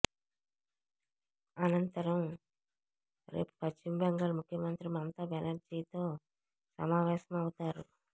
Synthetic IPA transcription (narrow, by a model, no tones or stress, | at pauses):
ɐnɐnt̪ɐɾɐm | ɾe̞̰ːpu̥pɐt͡ʃt͡ʃimbɐŋɡɐlmukʰjɐmɐnt̪ɾimɐnt̪abenɐɾd͡ʒiːt̪o̞ː | sɐ̰maːʋɛːsɐmɐwut̪aːɾu